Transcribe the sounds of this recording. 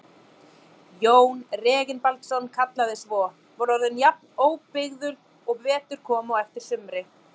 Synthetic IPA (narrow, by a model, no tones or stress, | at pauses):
joːwnrɛːɣɪnpalt̪sɔnkʰat̪laðɪsvɔː | vɔɾɔɾðʏnjap̚noːwpɪɣðʏɾ | ɔɣvɛːt̪ʏɾ̥kʰɔːmaɛft̪ɪɾ̥sʏmɾɪ